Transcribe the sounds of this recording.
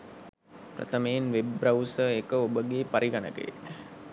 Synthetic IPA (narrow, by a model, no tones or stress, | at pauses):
prɐ̰t̪əmeːnʋebɾɐwsəekəobəɡepaɾʔiɡanə̰kə̰jḛ